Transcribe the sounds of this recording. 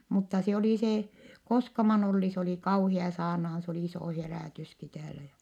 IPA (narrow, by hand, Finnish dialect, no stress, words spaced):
mutːɑ se oli se koskɑmɑn olːi se oli kɑuhiɑ sɑːrnɑhɑn s oli isoˑ heræˑtyski tæːlæ jæ